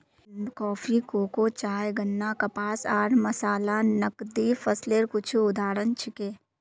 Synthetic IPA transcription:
kɔːpʰikoːkot͡ʃaːjɡənːakɐpaːsaːɾmɐsaːlanɐkd̪ifʰɐsleːɾkʊt͡ʃʰuʊd̪aːɾənt͡ʃʰɪkeː

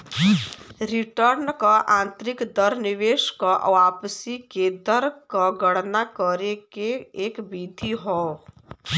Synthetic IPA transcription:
ɾiʈəɾnkɔʔãnt̪ɾikd̪əɾniʋeʃkɔʔwapsiked̪əɾkɔɡəɽnakɔɾekeːkbid̪ʱiɦɔ

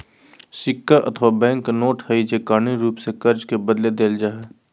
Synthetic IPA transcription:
ʃɪkːaʔɐ̰t̪ʰʋabɛ̃ːŋknoːʈhɐid͡ʒekaːniɾuːpsekɐɾd͡ʒkebəd̪led̪eːld͡ʒaːɦɛː

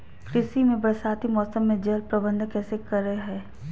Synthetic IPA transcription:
kɾɪsimẽbɾəsaːt̪imɔːsəmːẽd͡ʒɐlpɾɐbə̃nd̪ʱkɛːsekɐɾːəeɦɛː

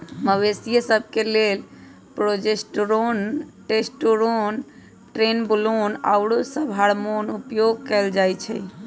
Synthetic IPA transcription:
məwesijəsəb̚ʱkelel | pɾod͡ʒesʈɾonʈesʈoɾon | ʈɾenbulona̰wɽosəbʱɦaɽmonupjoɡ̚kɛld͡ʒajt͡ʃʰɛ̰

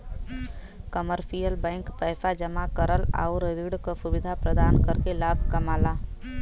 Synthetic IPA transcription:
kəməɾpijəlbɛ̃ɪŋkpəjfʰad͡ʒəmakəɾəla̰ʊɾɾiɽkosubɪd̪ʱapɾəd̪aːnkəɾkelaːbʱkəmaːla

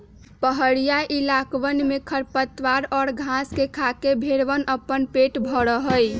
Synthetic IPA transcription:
pəɦəɽijaʔilakʋənmekʰəɾpət̪ʋaɾɔːɾɡʱãskekʰakebʱeɽʋənəpːənpeʈbʱəɽəɦəj

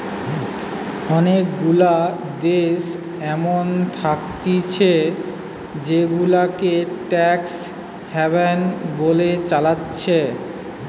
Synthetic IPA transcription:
ɔnekɡula | d̪eʃ | ɛmont̪ʰakt̪it͡ɕʰe | d͡ʑeɡulakeʈɛks | hɛβenbolet͡ɕalatːɕʰe

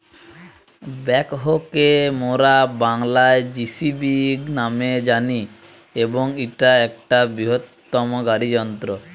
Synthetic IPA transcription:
bɛkɦokemoɾabaŋlaed͡ʒisibinamed͡ʒani | eboŋiʈaɛkʈabɾiɦot̪ːɔmoɡaɾid͡ʒɔnt̪ɾo

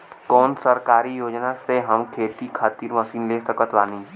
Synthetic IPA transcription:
kɔːnsəɾkaːɾijoːd͡ʒnaseɦəmkʰeːt̪ikʰaːt̪iːɾməɐsiːnleːsəkət̪ʋaːnĩː

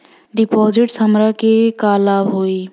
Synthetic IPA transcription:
ɖɪpɔːzɪʈsəmɾakekaːlabɦoiː

